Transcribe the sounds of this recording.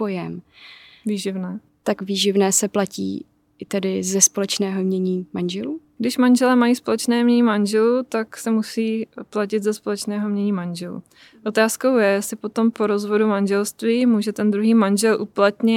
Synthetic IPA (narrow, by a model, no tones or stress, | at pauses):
pojɛmviːʒɪvnɛː | t̪akviːʒɪvnɛːsɛplacḭː | ɪt̪ɛdɪzɛspolɛt͡ʃnɛːɦomɲɛɲiːmanʒɛluːɡdɪʃmanʒɛlɛːmajiːspo̞lɛt͡ʃnɛːmɲɛɲiːmanʒɛlut̪aksɛmusiːplacɪt̪zɛspo̞lɛt͡ʃnɛːɦo̞mɲɛɲiːmanʒɛlṵ | ʔo̞t̪aːsko̞wjɛjɛsɪpot̪o̞mpoɾo̞zvo̞dumanʒɛlst̪viːmuːʒɛt̪ɛnd̪ɾuɦiːmanʒɛlʔuplat̪ɲɪ